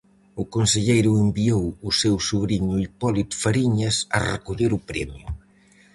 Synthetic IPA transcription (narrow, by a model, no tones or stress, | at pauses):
ukonseʎejɾʊembiowusewsuβɾiɲʊipɔlit̪faɾiɲɐsɐ̰rḛkuʎeɾʊpɾɛ̰mjʊ̰